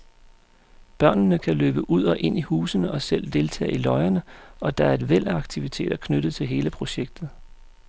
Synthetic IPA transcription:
b̥ɶɐ̰nnəkʰæløːb̥əʔuð̞̰ˠɒ̽ʔe̝n̰ihṵːsənəʔɒ̽sel̰d̥e̝lt͡sʰɛ̰ːilɒ̽ɪɐnəɒ̽d̥ɑ̈æɐe̝d̥ʋel̰ɑ̈ɡ̥̚t͡sʰiʋit͡sʰe̝̰ːd̥ɐkʰnøɾ̥ð̩ˠt͡sʰe̝lɦe̝ːləpʰʁo̝ɕeɡ̥̚d̥ð̩ˠ

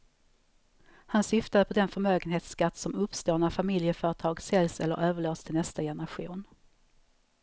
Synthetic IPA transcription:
hansʏft̪ad̪əpʰɔd̪ɛnfœɾmøːɡənheːt̪skat̪ːsɔmɵpst̪oːnafamɪljəfœːɾəʈ̪ʰɑːɡsɛlsɛlːə̰ɾʔøːvəɭoːst̪ʰɪlnɛst̪ajɛnəɾaɧuːn

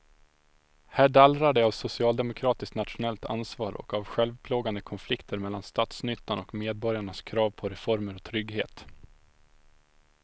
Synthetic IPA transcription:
hæːɖalɾaɖɛavsʊsɪɑːld̪ɛmʊkʰɾɑːt̪ɪskt̪nat̪ɧʊnɛlt̪a̰nsvɑːɾʔɔ̰kavɧɛlvpʰloːɡand̪əkʰɔnflɪkt̪ʰəɾmɛlːanst̪ɑːt̪snʏt̪ːanɔkmeːd̪̚bɔɾjaɳaskʰɾɑːvpʰɔɾɛfɔɾməɾɔt̪ʰɾʏɡheːt̪

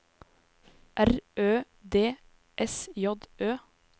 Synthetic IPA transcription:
ʔæɾøː | d̪eː | ʔɛsjɔd̪øː

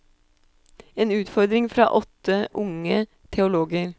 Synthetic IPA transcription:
eːnʉːt̪fɔɾd̪ɾɪŋfɾɑ̰ːʔɔt̪ːəʔʊŋə | t̪ʰɛʊloːɡəɾ

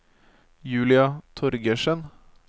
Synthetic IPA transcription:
jʉːlɪɑt̪ʰɔɾɡəʃən

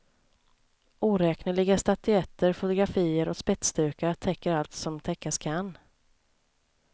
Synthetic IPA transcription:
ʔuːɾɛːknəɭɪɡast̪at̪ʏɛt̪ːəɾfʊt̪ʊɡɾafiːəɾɔkspɛt̪st̪ʉ̟ːɾkat̪ʰɛkːəɾalt̪sɔmt̪ʰɛkːaskʰan

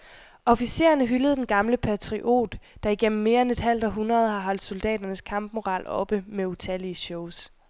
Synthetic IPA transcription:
ʔɒ̽fise̝̰ːɐnəɦyləð̞̩ˠd̥enɡ̥ɑ̈mləpʰæt͡sʰʁiʔo̝̰ːd̥ːɑ̈iɡ̥en̰m̩ːe̝ːɐene̝d̥ɦæl̰d̥ɒ̽ɦunʁɐð̞ˠhɑ̈ɦɒ̽l̰d̥so̝ld̥ɛ̰ːd̥ɐnəskʰɑ̈mb̥mo̝ʁɑ̰̈ːlɒ̽b̥əmeut͡sʰæliɕɔʊs

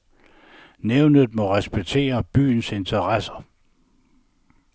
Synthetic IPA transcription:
neʊnð̞̩ˠmɒ̽ʁɛsb̥eɡ̥̚t͡sʰe̝̰ːɐb̥y̰ːnse̝nt͡sʰɐʁɑsɐ

